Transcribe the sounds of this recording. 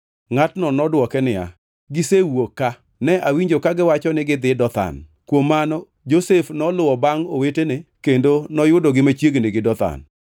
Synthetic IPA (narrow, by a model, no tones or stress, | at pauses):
ŋatnɔnɔdwɔkɛnɪa̰ | ɡɪsewokːa | nɛʔawiɲd͡ʒokaɡɪwat͡ʃɔnɪɡɪd̪ɪdɔt̪a̰n | kwomːanɔ | d͡ʒosefnɔlʊɔbaŋowetenekendonɔjʊdoɡɪmat͡ʃjeɡnɪɡɪdɔt̪a̰n